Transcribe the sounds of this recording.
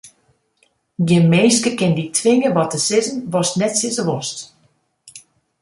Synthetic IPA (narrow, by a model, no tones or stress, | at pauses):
ɡjɪmeːskəkɪnditʰʋɪŋəʋɔtəsɪzənʋɔstnɛtsɪzəʋɔst